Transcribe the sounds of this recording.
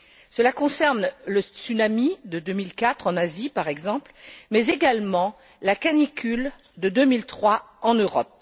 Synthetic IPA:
səlakɔ̃sɛʁnləsynamid̪əd̪ømilkat̪χɑ̃nazipaʁɛɡzɑ̃plmɛzeɡalmɑ̃ | lakanikʲʰyl | d̪əd̪ømilt̪χwa | ɑ̃nøʁɔp̚

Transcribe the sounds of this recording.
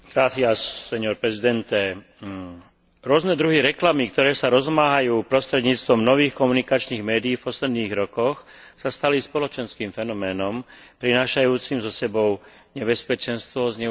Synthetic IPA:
ɡɾaːt̪iaʃsɛɲɔɾpɾɛzid̪ɛnt̪ɛ | ɾʊɔznɛd̪ɾuɦiɾɛklamikt̪ɔɾɛːsaɾɔzmaɦajuːpɾɔst̪ɾɛd̪ɲiːt͡st̪ʋɔmnɔʋiːxkɔmunikat͡ʃniːɣmɛːd̪iːfpɔslɛd̪niːɣɾɔkɔx | sast̪alispɔlɔt͡ʃɛnskiːmfɛnɔmɛːnɔm | pɾinaːʃajuːt͡simzɔsɛbɔʊ | ɲɛbɛspɛt͡ʃɛnst̪ʋɔzɲɛ

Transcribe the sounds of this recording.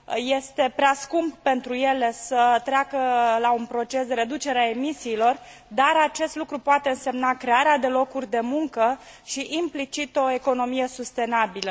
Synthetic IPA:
jest̪e̞pɾeaskumppe̞nt̪ɾuje̞le̞sət̪ɾeakəlaunpɾo̞t͡ʃe̞sd̪e̞ɾe̞d̪ut͡ʃe̞ɾeae̞misiːlo̞r | d̪aɾat͡ʃe̞st̪lukɾupoat̪e̞ɨnse̞mnakɾe̞aɾead̪e̞lo̞kurʲd̪e̞muŋkəʃiʔimplit͡ʃit̪o̞e̞ko̞no̞mije̞sust̪e̞nabilə

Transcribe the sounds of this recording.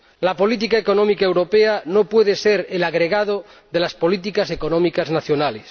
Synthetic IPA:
lapo̞lit̪̬ikaeko̞nõmikaewɾo̞peanopweðeseɾelaɣɾeɣað̞o | ðelaspo̞lit̪̬ikase̞konomikaznaθjonales

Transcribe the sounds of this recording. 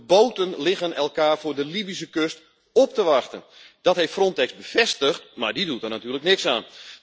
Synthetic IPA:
boːtənlɪɣənɛlˠkaːrfʊːrdəlibis̬əkøst | ɔp̚təʋɑxtə̰n | d̥ɔtɦeftfrɔntɛksbəfɛstəxtmaɹdidutərnatyːrləknɪksaːn

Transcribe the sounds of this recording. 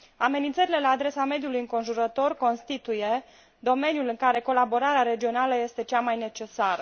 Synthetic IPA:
ame̞nint̪səɾile̞laːd̪ɾe̞same̞d̪julujɨŋko̞nʒuɾət̪o̞rko̞nst̪it̪uje̞ | d̪o̞me̞njulɨŋkaɾe̞ko̞labo̞ɾaɾeaɾe̞d͡ʒio̞naləje̞st̪e̞t͡ʃamajne̞t͡ʃe̞saɾə

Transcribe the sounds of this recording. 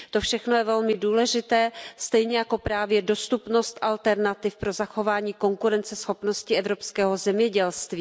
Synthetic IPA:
t̪o̞fʃɛxnojɛvɛlmɪduːlɛʒɪt̪ɛːst̪ɛjɲɛjako̞pɾaːvjɛdo̞st̪upno̞st̪ʔalt̪ɛɾnat̪ɪfpɾo̞zaxo̞vaːɲiːko̞ŋkuɾɛnt͡sɛsxo̞pno̞scɪɛvɾo̞pskɛːɦo̞zɛmɲɛɟɛlst̪viː

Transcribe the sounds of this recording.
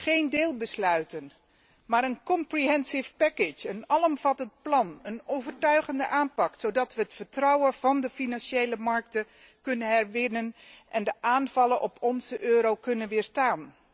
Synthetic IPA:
χejndɪːlˠbəslœɥtən | maːɾənkɔmpriɦɛnsɪfpɛkɪt͡ʃənɑlˠɔmv̥ɑtənt̚plɑnənowvəɹtœɥχəndəʔaːnpɑksowdɑtʋəɦətfəɹtrɑwəvɑndəfinɑnʃejləmɑɹk̚tə | kɵnənɦɛɹʋɪnənʔɛndəʔaːnv̥ɑlənʔɔpʰɔnzəʔøːɾowkɵnənʋɪːɹstaːn

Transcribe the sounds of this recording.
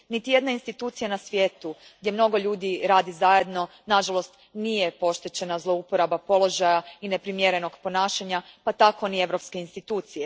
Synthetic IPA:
nit̪ije̞d̪nainst̪it̪uːt̪sijanasʋje̞ːt̪u | ɡ̚dʲje̞mno̞ɡo̞ʎuːd̪iɾaːd̪izaje̞d̪no̞ | naʒalˠo̞st̪nije̞po̞ʃt̪it͡ɕe̞nazlˠo̞upo̞ɾabapo̞lˠo̞ʒajaine̞pɾimjeɾeno̞ɡpo̞naːʃaɲapat̪ako̞nie̞ʋɾo̞pske̞inst̪it̪uːt̪sije

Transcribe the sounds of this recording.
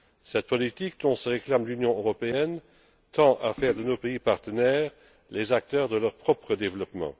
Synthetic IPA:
sɛt̪̚pɔlit̪ik̚d̪ɔ̃səʁeklamlynjɔ̃øʁɔpeɛn | t̪ɑ̃ʔafɛːʁd̪ənopeipaʁt̪ənɛːʁ | lezak̚t̪œːʁd̪əlœʁpχɔpχəd̪evlɔpmɑ̰̃

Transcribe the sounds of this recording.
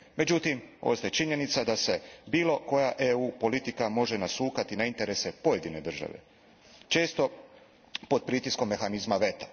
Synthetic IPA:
me̞d͡ʑut̪imo̞̰ːst̪ajet͡ʃiɲe̞nit̪sad̪ase̞biːlo̞ko̞jaʔeuːpo̞lit̪ikamo̞ʒe̞nasuːkat̪inaint̪e̞ɾe̞se̞poje̞d̪ine̞d̪r̩ʒa̰ʋe̞̰ | t͡ʃe̞ːst̪o̞ | po̞d̪̚pɾiːt̪isko̞mːe̞xanizmaʋe̞t̪ḁ

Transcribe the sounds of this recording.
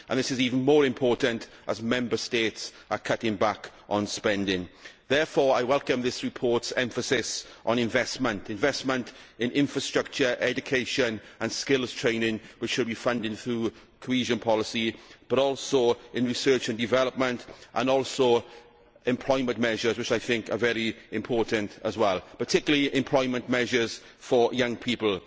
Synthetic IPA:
ʔə̰̃nðɪsɪziːvə̃n̩mɔːɹɪ̃mpʰɔɹʔə̃n̩tʔə̰zmɛ̃mbəsteɪts | əkʰʌtɪ̃ŋbak | ʔə̃n̩spɛ̃ndɪ̃ŋ | ðɛːfɔːɹaɪwɛlˠkə̃mðɪsɹɪpʰɔɹtsɛ̃ɱfəsɪsʔə̃nɪ̃ɱvɛsmə̃ntɪ̃ɱvɛsmə̃ntɪ̃nʔɪ̃ɱfɹəstɹ̥ʌk̚t͡ʃəʔɛd͡ʒɨkʰeɪʃə̃n | ə̃nskɪlˠz̥tʰɹ̥ẽɪ̃nɪ̃ŋwɪt͡ʃʃʊdbifʌ̃ndɪ̃ŋθɹuː | kʰohiːʒə̃npʰɒlɪsib̥əɾɔːlˠsoʊɪ̃nɹɪsɜːˑ˞t͡ʃə̃ndɪvɛləp̚mə̃ntʔə̰̃nɔːˑlˠsoʊ | ɛ̃mpʰl̥ɔɪmə̃nʔmɛʒəzwɪt͡ʃaɪθɪ̃ŋkə̰vɛɹiɪ̃mpʰɔːˑɹʔə̃ntəzwɛlˠpʰətʰɪkjlˠəliʔɪ̃mpʰl̥ɔɪmə̃nʔmɛʒəz̥ | fəjʌ̃ŋpʰipəl̩ˠ

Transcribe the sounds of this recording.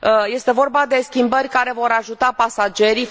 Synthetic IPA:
je̞st̪e̞vo̞rbad̪e̞skʲimbərʲkaɾe̞vo̞ɾaʒut̪apasad͡ʒe̞ɾi

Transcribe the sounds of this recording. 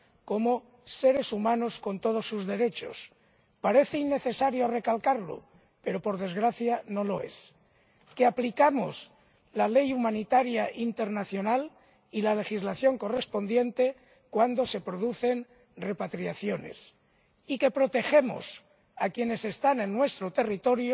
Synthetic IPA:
ko̞mo | se̞ɾe̞sumãno̞sko̞nt̪o̞ð̞o̞sːuzðe̞ɾe̞t͡ʃo̞̰s | paɾe̞θeinːe̞θe̞saɾjo̞re̞kalkaɾlo̰ | pe̞ɾo̞po̞ɾðe̞zɣɾaθjanolo̞e̞̰s | keaplikamos | lale̞jumanit̪aɾjaʔint̪e̞ɾnaθjo̞nal | ilale̞xizlaθjo̞ŋko̞re̞spo̞nd̪je̞nt̪e | kwand̪o̞se̞pɾo̞ðuθe̞n | re̞pat̪ɾiaθjo̞ne̞̰s | ike̞pɾo̞t̪e̞xe̞mo̰s | akje̞ne̞se̞st̪ane̞nːwe̞st̪ɾot̪e̞rit̪o̞ɾjo

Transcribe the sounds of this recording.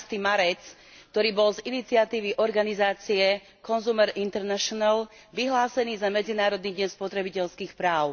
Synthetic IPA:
st̪imaɾɛt͡s | k̚t̪ɔɾiːbɔlzinit͡siat̪iːʋiʔɔɾɡanizaːt͡siɛ | kɔnzuːmɛɾint̪ɛɾnaʃɔnal | ʋiɦlaːsɛniːzamɛd͡zinaːɾɔd̪niːɟɲɛnspɔt̪ɾɛbicɛʎskiːxpɾaːʊ

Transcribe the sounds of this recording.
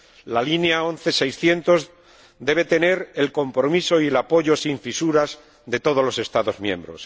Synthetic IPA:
lalineao̞n̟θe̞sejsθje̞nt̪o̞z | d̪e̞β̞e̞t̪e̞ne̞ɾe̞lko̞mpɾo̞miso̞ielapo̞ʝo̞siɱfisuɾaz | d̪e̞t̪o̞ðo̞zlo̞se̞st̪aðo̞zmjẽ̞̰mbɾo̞̰s

